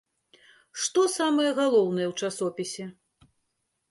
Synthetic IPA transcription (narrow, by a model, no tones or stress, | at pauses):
ʂt̪ɔsamɐjɛɣalˠɔwnɨjɛwt͡ʂasɔpʲisʲɛ